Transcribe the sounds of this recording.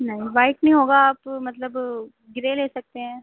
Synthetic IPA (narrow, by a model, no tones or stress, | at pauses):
nɐɦĩbaːɪknɐɦĩɦoːɡaaːpmɐt̪ləb | ɡɪɾeleːsɐk̚t̪eɦɛ̃ː